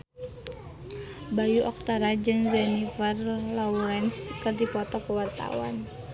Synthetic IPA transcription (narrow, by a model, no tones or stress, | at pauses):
bajuʔɔk̚t̪aɾad͡ʒɨŋzɛnifarlɔuɾɛnskɨrd̪ipɔt̪ɔpəwart̪a̰wa̰n